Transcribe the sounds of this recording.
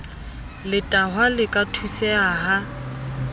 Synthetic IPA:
lɪtʼaɦwalɪkʼatʰusɛaɦa

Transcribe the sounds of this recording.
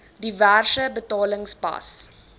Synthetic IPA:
diværsəbətɑːləŋspɐ̰s

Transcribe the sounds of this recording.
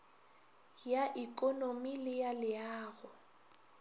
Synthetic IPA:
jaʔikʼɔnomilɪjalɪaːɣʊ

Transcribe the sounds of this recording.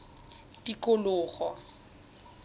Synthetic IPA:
tikʼʊlʊːχɔ

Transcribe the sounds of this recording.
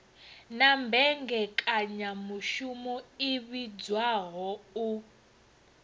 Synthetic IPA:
nambʱɛŋɡɛkʼaɲamuʃumɔiβid͡zwaɣɔu

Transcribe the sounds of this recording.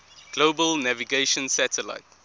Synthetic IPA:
ɡ̥loːbəlnæviɡeɪʃə̃nsætʰəla̰ɪt

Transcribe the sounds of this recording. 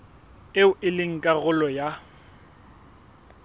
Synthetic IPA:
eʊʔɪlɪŋ̩kʼaɣʊlɔja

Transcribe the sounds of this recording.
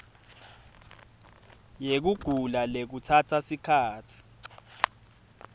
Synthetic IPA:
jek̬uɡ̥ʱulalek̬utʰatʰasikʰaːtʰi̥

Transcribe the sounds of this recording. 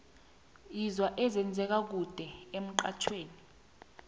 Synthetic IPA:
izwaʔɛzɛnd͡zʱɛk̬ak̬ud̥ʱɛem̩ǃa̰t͡ʃʰweːni

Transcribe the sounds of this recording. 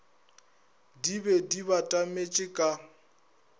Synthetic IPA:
dibɛdiβatʼamet͡ʃʼɪkʼa

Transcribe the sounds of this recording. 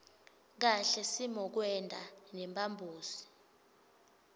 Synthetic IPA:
k̬aɬɛsimɔk̬wɛndʱanɛmbʱʼambʱuːsi̥

